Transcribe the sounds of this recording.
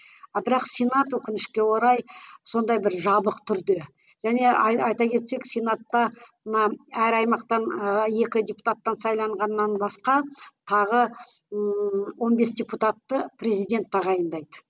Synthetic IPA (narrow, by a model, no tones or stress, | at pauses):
bɪɾɑqsʲenat̪wɵkʲɪnɪʃkʲe̞wo̞ɾɑjso̞nd̪ɑjbɪɾʒɑbəqt̪ʰʏɾd̪e̞ | ʒ̥æne̞ɑjt̪ɑkʲʰe̞t̪se̞ksʲenat̪ːɑmənɑæɾɑjmɑqt̪ɑnəje̞kʲɪd̪ʲepu̥t̪at̪ːɑnsɑjlˠɑɴʁɑnːɑnbɑsqɑt̪ʰɑʁə | wo̞nbe̞sd̪ʲeput̪at̪ːəprʲe̞zijd̪ʲe̞nt̪ːɑʁɑjənd̪ɑjd̪ə